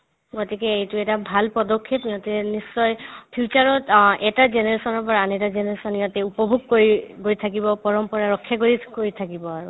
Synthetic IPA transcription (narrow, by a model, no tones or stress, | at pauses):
ɡɔtikɛejtʊɛtabʱalpɔdɔkʰːepɡɔtikɛnisːɔjpʰiut͡ʃaɹɔtɛtazenɛɹesɔnɔɹpɔɹaːnɛtazenɛɹesɔnijɔtɛupɔbʱuɡ̚koɹiɡoɹitʰakibɔpɔɹɔmpɔɹaɹɔkʰːjaɡoɹikoɹitʰakibɔaɹu